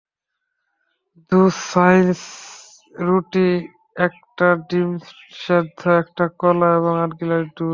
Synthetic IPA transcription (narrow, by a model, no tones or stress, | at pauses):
d̪usajns | ɾuʈi | ɛk̚ʈaɖim | ʃad̪ʱaɛk̚ʈakɔlaeβoŋaɾɡilaɾɖu